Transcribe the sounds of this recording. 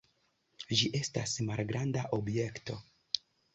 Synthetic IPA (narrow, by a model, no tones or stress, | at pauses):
d͡ʒiʔe̞stasmalɡɾʔandaʔo̞bje̞kto̞̰